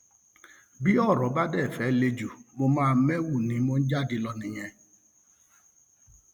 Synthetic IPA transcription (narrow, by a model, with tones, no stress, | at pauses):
bi˦ɔ˦˨ɾɔ˨ba˦dɛ˦˨fɛ˨˦le˦d͡ʒu˨mo˨mãː˦˨me˦wu˨ni˨˦mo˦n̩˦d͡ʒa˦dɪ˨lɔ˨nɪ˨ɲe˦